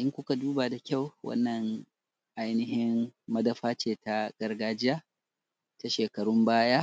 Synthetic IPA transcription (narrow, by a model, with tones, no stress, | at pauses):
ʔɪ˦ŋkʷʊ˦ka˨duː˦ba˨da˨kʲa˦˨wwɐ̰˦nːɐ˨ŋ | ʔa˦jnɪ˦ɦɪ˦mːɐ˦dɐ˦ɸaː˦t͡ʃeː˨ta˦ɡ̥ɐ˦rɡaː˦d͡ʒɪ˦ja˦ | ta˨ʃeː˨kɐ˨ɽʊ˦mbaː˦jaː˦